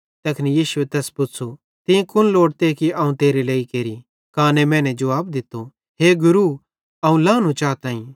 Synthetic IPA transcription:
t̪ɐkʰnijiːsʊet̪ɛːspʊtːsʰo | t̪ɪ̃kʰʊnloːɽt̪eːkiaːũt̪eːɾileːikeːɾi | kaːnemɛ̃ːnɛd͡ʒɐʋaːb̚d̪ɪt̪ːo | ɦeːɡʊɾu | ɐːũlãːnũt͡ʃaːt̪ãːĩ

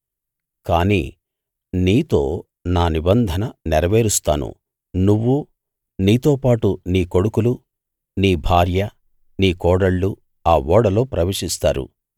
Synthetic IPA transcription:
kaːnḭː | niːt̪o̞ː | naːnibɐnd̪ʱɐnɐnɛɾɐʋeːɾust̪a̰ːnṵ | nuʋːu | niːt̪o̞ːpaːʈuniːko̞ɽukulu | niːbʱaːɾjɐ | niːkɔːɽɐɭːu | aːʋɔːɽɐlo̞ːpɾɐʋeːʂist̪aːɾṵ

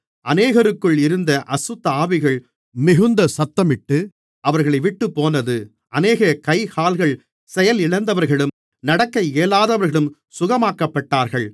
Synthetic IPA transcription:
ʔɐneːɣɐɾɯkːɯɭɪɾɯnd̪ɐʔɐsɯt̪ːɐaːʋɪɣɐɭ | mɪɣɯnd̪ɐsɐt̪ːɐmɪʈːɯ | ʔɐʋɐɾɣɐɭɐɪʋɪʈːɯpːoːnɐðɯ | ʔɐneːɣɐkɐɪhaːlɣɐɭ | sɛjɐlɪɭɐnd̪ɐʋɐɾɣɐɭɯm | nɐɽɐkːɐɪeːlaːðɐʋɐɾɣɐɭɯm | sʊɣɐmaːkɐpːɐʈːaːɾɣɐɭ

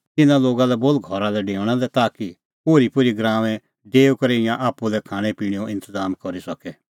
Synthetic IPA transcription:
t̪ɪnãloːɡalɛbolɡʱɔɾalɛɖeːʋɽ̃alɛt̪aːki | poːɾipʊɾiɡɾãːʋɛ̃ | ɖeːukɐɾeɪjãʔaːpːulɛkʰaːɽ̃ɛ̃piːɽ̃ijõʔɪ̃nt̪əzaːmkɔɾisɐkɛ

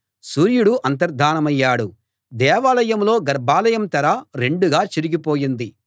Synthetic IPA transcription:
suːɾjuɽuʔɐnt̪̬ɐɾd̪ʱaːnɐmɐjːaːɽu | d̪ɛːʋaːlɐjɐmlo̞ːɡɐɾbʱaːlɐjɐmt̪ɐɾɐɾe̞ɳɖuɡaːt͡ʃiɾiɡipo̞ːjind̪i

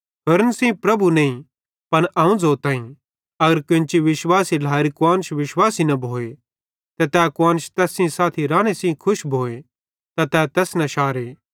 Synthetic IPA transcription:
ɦʊɾənsĩːpɾɐbuneĩ | pɐñʔɐ̃ːũd͡zoːt̪ãːĩ | ɐɡəɾkʊ̃nt͡ʃiʋɪʃwaːsilaːɾikʊaːnʃʋɪʃwaːsinɐbʱoːe | t̪ɛt̪ɛkʊwaːnʃt̪ɛːsĩsaːt̪ʰiɾãːɽ̃esĩkʰʊʃbʱoːe | t̪at̪ɛːt̪ɛːsnɐ̃ʃaːɾeː

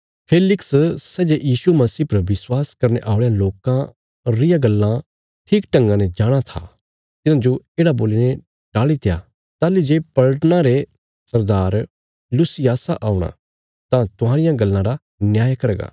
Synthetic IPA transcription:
pʰeːlɪkssɛːd͡ʒejiːsumɐsiːpɐɾʋɪswaːskɐɾneʔaːʊɭejãloːkã | ɾɪjãɡɐlːã | ʈʰiːkʈɐ̃ŋɡãnɛd͡ʒaːɽ̃at̪ʰa̰ | t̪ɪnãd͡ʒoeːɽaboːline | ɖ̥aːɭit̪eja̰ | t̪aːlid͡ʒeːpɐɭəʈnãɾe | sɐɾd̪aːɾ | lʊsijaːsaʔaːʊɽ̃ã̰ | t̪ãt̪ʊɦaːɾɪjãɡɐlːãɾa | njaːjkɐɾɡa̰ː

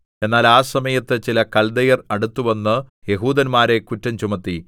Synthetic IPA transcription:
e̞nːaːlaːsɐmɐjɐt̪ːɨt͡ɕilɐkɐld̪ɐjɐrɐɽut̪ːuʋɐnːɨje̞ɦuːd̪ɐnmaːɾe̞kutːɐmt͡ɕumɐt̪ːi

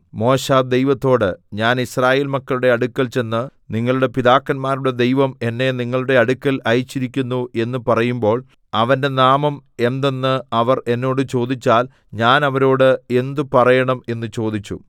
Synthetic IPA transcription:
mo̞ːɕaːd̪e̞jʋɐt̪ːo̞ːɽɨɲaːnisraːjeːlmɐkːɐluɽe̞ɐɽukːɐlt͡ɕe̞nːɨniŋːɐɭuɽe̞piðaːkːɐnmaːɾuɽe̞d̪e̞jʋɐme̞nːe̞niŋːɐɭuɽe̞ɐɽukːɐlɐjit͡ɕːiɾikʲːunːue̞nːɨpɐrɐjumbo̞ːɭ | ɐʋɐnde̞naːmɐme̞nd̪enːɨɐʋɐre̞nːo̞ːɽɨt͡ɕo̞ːd̪it͡ɕːaːl | ɲaːnɐʋɐɾo̞ːɽɨe̞nd̪upɐrɐjɐɳɐme̞nːɨt͡ɕo̞ːd̪it͡ɕːṵ

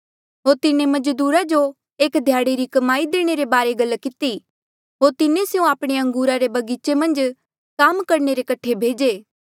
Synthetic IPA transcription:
ɦoːɾt̪ɪnẽmɐd͡ʒd̪uːɾad͡ʒo | eːkd̪ʱjaːɽeɾikɐmaːid̪eːɽ̃eɾebaːɾeɡɐlːkɪt̪i | ɦoːɾt̪ɪnẽsejũaːpɽ̃eɐ̃ŋɡuːɾaɾebɐɡiːt͡ʃemɐ̃nd͡ʒ | kaːmkɐɾneɾekɐʈʰebʱeːd͡ʒeː

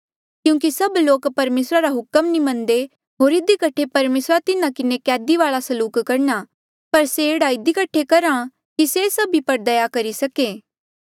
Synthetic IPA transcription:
kjũːkisɐbloːkpɐɾmeːsɾaɾaɦʊkəmnimɐ̃nd̪e | ɦoːɾɪd̪ikɐʈʰepɐɾmeːsɾat̪ɪnãkɪnekɛːd̪iʋaːɭasɐluːkkɐɾɳa | pɐɾseeːɽaɪd̪ikɐʈʰːekɐɾã | kisesɐbʱipɐɾd̪ɐjakɐɾisɐkeː

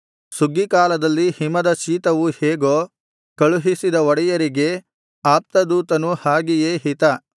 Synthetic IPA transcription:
suɡːikaːlɐd̪ɐlːihimɐd̪ɐt͡ʃiːt̪ɐʋuheːɡoː | kɐɭuɦisid̪ɐɔɽɛjɐɾiɡe̞ | aːp̚t̪ɐd̪uːt̪ɐnuhaːɡijeːɦit̪ɐ

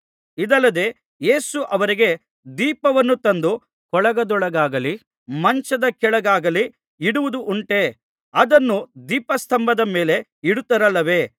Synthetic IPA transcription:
id̪ɐlːɐd̪e̞ː | je̞ːsuʔɐʋɐɾiɡe̞ | d̪iːpɐʋɐnːut̪ɐnd̪u | kɔɭɐɡɐd̪ɔɭɐɡaːɡɐli | mɐɲt͡ʃɐd̪ɐkɛɭɐɡaːɡɐli | iɽuʋud̪uʔuɳʈe̞ː | ɐd̪ɐnːud̪iːpɐst̪ʰɐmbɐd̪ɐme̞ːle̞iɽut̪ːɐɾɐlːɐʋe̞ː

